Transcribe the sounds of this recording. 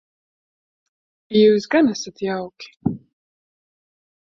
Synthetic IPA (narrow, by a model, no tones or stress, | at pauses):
juːsɡanasat̪jawkʲi̥